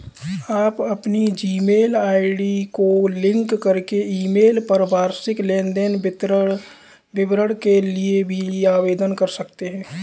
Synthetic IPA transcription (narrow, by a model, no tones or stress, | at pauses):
aːpɐpnid͡ʒiːmeːlaːɪɖikolɪ̃ŋkːɐɾkeiːmeːlpəɾəbaːɾsɪklẽːnd̪enɪ | bɪbɾəɽkeliebʱiaːʋeːd̪ənkɐɾsɐkt̪eɦɛ̃ː